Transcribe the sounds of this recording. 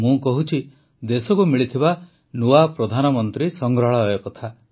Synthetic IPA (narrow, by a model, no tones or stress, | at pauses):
mũkɔɦut͡ʃʰi | d̪esɔkumiɭit̪ʰiba | nuapɾɔd̪ʱanɔmɔnt̪ɾisɔŋɡɾɔɭajɔkɔt̪ʰa